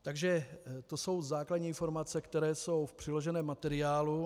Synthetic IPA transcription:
t̪aɡʒɛt̪o̞so̞wzaːkladɲiːnfo̞ɾmat͡sɛkt̪ɛɾɛːso̞wfpr̥ɪlo̞ʒɛnɛːmːat̪ɛɾɪaːlu

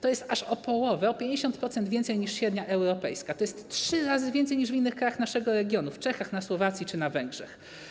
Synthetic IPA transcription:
t̪ɔjɛst̪aʂɔpɔwɔvɛɔpʲjeɲd͡ʑeɕɔnt̪̚pɾɔt̪sɛnd̪vʲɛnt̪sɛjɲiʂɕɛd̪ɲaʔɛwɾɔpɛjskat̪ɔjɛst̪tʂɘɾazɘvʲjɛnt̪sɛjɲiʐvʲinːɘxkɾajaxnaʂɛɡɔɾɛɡʲjɔnuft͡ʂɛxaxnaswɔvat̪sʲjit͡ʂɘnavɛŋɡʐɛ̰x

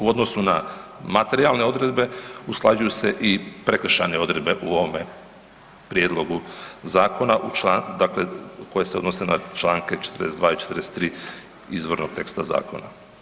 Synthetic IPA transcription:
uo̞d̪nosuna̰mat̪e̞ɾialne̞o̞d̪ɾed̪be̞usklˠad͡ʒujuse̞ʔipɾekr̩ʃaneo̞d̪ɾe̞d̪be̞ʔuo̞ʋome | pɾjed̪lˠo̞ɡuzaːko̞naʔut͡ʃlad̪aːkleko̞jeseo̞d̪nosenat͡ʃlaːŋket͡ʃe̥t̪rɾdesd̪ʋaːit͡ʃe̥t̪ɾest̪ɾiː | izʋo̞ɾnoɡ̚t̪e̞kst̪aza̰ːko̞̰na̰

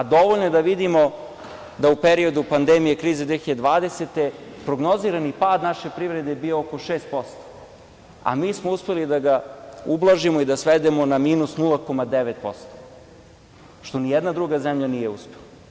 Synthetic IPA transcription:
ad̪o̞ʋoʎnoed̪aʋid̪imo̞ | d̪aupeɾio̞d̪upand̪emijekɾiːzed̪ʋeçiad̪ed̪ʋaːd̪eset̪e̞pɾoɡno̞ziːɾanipaːd̪naʃe̞pɾiʋɾe̞d̪e̞biooko̞ʃeːst̪̚po̞st̪o̥ | a̰miːsmouspe̞lid̪aɡaublˠaʒimoid̪asʋed̪e̞mo̞namiːnusnulˠako̞mad̪eʋet̪̚po̞̰st̪o̥ | ʃt̪o̞nijɛd̪nad̪ɾuɡazemʎanije̞uspela

